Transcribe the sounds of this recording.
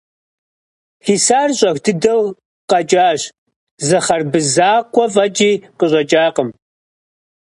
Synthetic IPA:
xiːsaːrɕʼɐxʷdɨdɐw | qɐt͡ʃʼaːɕ | zɐχɐrbɨzaːkʷɔvɐd͡ʒiːqəɕʷʼɐt͡ʃʼaːqəm

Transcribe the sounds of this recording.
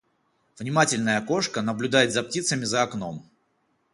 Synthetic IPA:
v̥nʲɪmatʲɪlʲnəjəko̞ʂkənəblʲʊd̪ajɪt̪zɐp̚tʲit̪səmʲɪzɐːkno̞m

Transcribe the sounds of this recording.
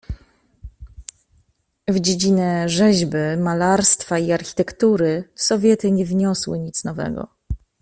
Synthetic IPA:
vd͡ʑed͡ʑinɛʐɛʑbɘmalaɾst̪faiaɾxʲi̥t̪ɛkt̪uɾɘsɔvʲjɛt̪ɘɲɛvɲɔswɘ̰ɲit̪snɔvɛ̰ɡɔ̰

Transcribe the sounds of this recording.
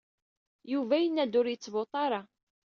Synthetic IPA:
juvæjənːæd̪ʊɾjət͡sːvot̪ˤɑɾˤɑ

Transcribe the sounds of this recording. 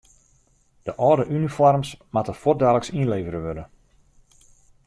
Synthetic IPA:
d̥əʔɔːdəʔynifɔrmsmatəfot̚daːləksinleːvəɾəʋødə

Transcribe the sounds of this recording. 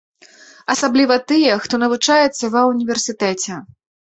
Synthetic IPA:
ɐsablʲivɐt̪ɨjɛxt̪ɔnɐvut͡ʂajɛt̪sːɐvɐunʲivʲɛrsʲit̪ɛt͡sʲɛ

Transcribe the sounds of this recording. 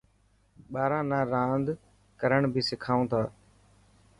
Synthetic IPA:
ɓaːɾãːnaːɾãːnd̪ | kəɾəɳbʱiːsɪkʰaːũːt̪ʰaː

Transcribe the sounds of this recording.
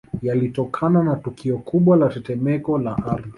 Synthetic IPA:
jalitɔkʰananatukʰiɔkuɓwalatɛtɛmɛkɔlaʔaɾði

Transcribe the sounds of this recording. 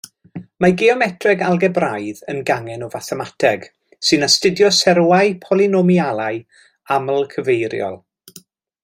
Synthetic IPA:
maɡeɔmɛtʰrɛɡalˠɡɛbrajðənɡaŋɛnɔvaθɛmatʰɛɡ̥ | sɨnastɪdjɔsɛɾwaɨpʰɔlˠinɔmialˠaɨ | aməlˠkʰəvejɾjɔ̰lˠ

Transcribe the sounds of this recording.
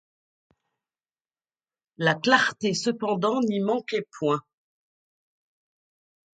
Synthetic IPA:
laklaʁt̪esəpɑ̃d̪ɑ̃nimɑ̃kɛpwɛ̃

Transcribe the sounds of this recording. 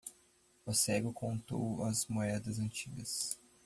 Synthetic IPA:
osɛɡʊkõnt̪o̰wɐzmoɛd̪ɐzɐ̃nt͡ʃiɡɐs

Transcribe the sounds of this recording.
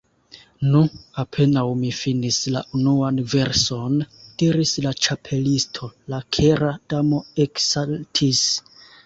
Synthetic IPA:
nuapʰe̞nawmifinisla̰ʔunuanve̞ɾso̞nd̥iɾislat͡ʃapʰe̞listʰo̞lakʰeɾad̥amo̞eksaltʰis

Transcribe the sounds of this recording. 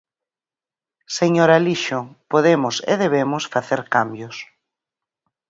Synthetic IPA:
seɲoɾaliʃopoðemʊsḛðeβemʊsfaθeɾkambjʊs

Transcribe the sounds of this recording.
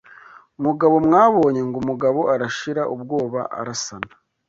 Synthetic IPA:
umuɡaβo̞mŋaːβo̞ːɲe̞ŋɡomuɡaβo̞ʔaɾaʃiɾaʔub̚ɡo̞ːβa̰ʔa̰ɾasanḁ

